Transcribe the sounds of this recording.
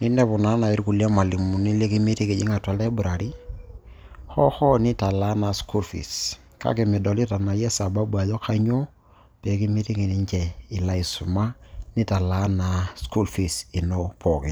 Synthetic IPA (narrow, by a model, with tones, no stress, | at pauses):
ni˦ndɛ˦pʊ˨na˦na˨ɪ˨˦ɾku˨la˦ma˨li˨mu˨ni˦le˦ki˦mi˦ti˦kɪ˨t͡ʃɪ˦ŋa˨twa˨lɛ˦bʊ˨ɾa˨ɾi˦ | xɔ˦xɔ˦nɪ˦ta˨la˦na˨sku˦lfḭ˨s | ka̰˦kɪ˨mɪ˨dɔ˨li˦ta˨na˨jɛ˦sa˨ba˦bwa˨ðɔ˦kʰa˦ɲo˦ | pɛ˨ki˦mi˦ti˦ki˨ni˦ɲt͡ʃɛ˨ɪ˨la˦i˨su˨ma˦nɪ˦ta˨la˦na˨sku˦lfi˨sɪ˨nɔ˦pʰɔ˨kɪ˨